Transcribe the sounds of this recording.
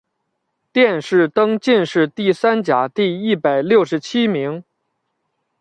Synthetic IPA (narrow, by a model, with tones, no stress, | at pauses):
t̪jɛ˥˧nʂɻ̩˥˩t̪ɤ˥ŋt͡ɕi˥˧nʂɻ̩˥˧t̪i˥˩sa˥nt͡ɕja˨˩˦t̪i˥˧i˥˩pa˨˩ɪljo˥˩ʊʂɻ̩˧˥t͡ɕʰi˥mi˧˥ŋ